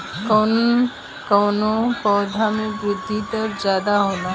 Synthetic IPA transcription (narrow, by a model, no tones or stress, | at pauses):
kɔːn | kɔːnopɔːd̪ʱamẽbɾɪd̪ʱːit̪əɾzjaːd̪aɦoːnaː